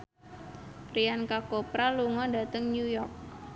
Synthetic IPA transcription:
riankakopɾaluŋɔda̤t̪əŋnujɔrk̚

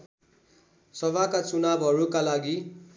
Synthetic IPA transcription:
sʌβakat͡sunabʱɦʌɾukalaɡi

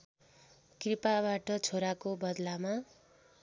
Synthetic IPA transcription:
kripabaʈʌt͡sʰoɾakobʌd̪lama

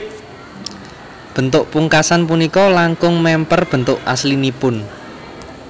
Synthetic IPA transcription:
b̥ə̤nt̪ʊʔpuŋkasanpunikɔlaŋkʊŋmɛmpərb̥ə̤nt̪ʊʔʔaslinipʊn

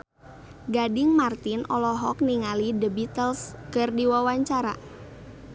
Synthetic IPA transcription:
ɡadɪŋmart̪ɪnʔɔlɔɦɔk̚niŋalidəbit̪əlskərdiwawaɲt͡ʃaɾa̰

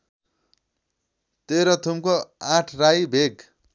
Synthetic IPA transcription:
t̪eɾʌt̪ʰumkoãʈʰrajbʱeɡ

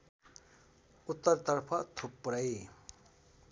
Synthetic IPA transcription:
ut̪ːʌɾt̪ʌrpʰʌt̪ʰupːɾʌj

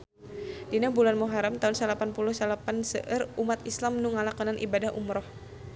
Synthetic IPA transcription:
dinabulanmɔɦaɾamt̪aunsəlapanpulʊhsəlapansə̰ʔərumat̪islamnuŋalakɔnanʔḭbadaɦʔṵmɾɔh

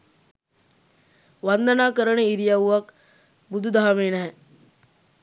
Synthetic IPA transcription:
ʋand̪anaːkəɾəɳeiɾijauʋɐk | bud̪ʱud̪aɦameːnɛɦɛ

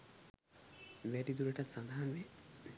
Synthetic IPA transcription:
ʋɛɖid̪uɾeʈat̪sãnd̪ʱaɦanʋe

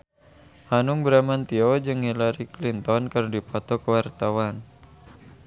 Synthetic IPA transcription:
hanuŋbɾamant̪iɔd͡ʒɨŋilaɾiklint̪ɔnkɨrdipɔt̪ɔkəwart̪awan

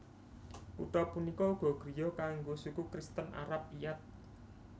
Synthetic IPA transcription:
ṵʈɔpunikɔuɡ̥ɔ̤ɡ̥ɾijɔkaŋɡosukukɾist̪əna̰ɾap̚ijat̪̚

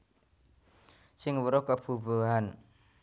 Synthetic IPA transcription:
sɪŋwəɾʊhkəb̥ṳbuɦan

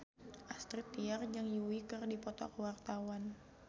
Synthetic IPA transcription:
ʔast̪ɾit̪ːiard͡ʒɨŋjuwikərdipɔt̪ɔ̰kwart̪awan

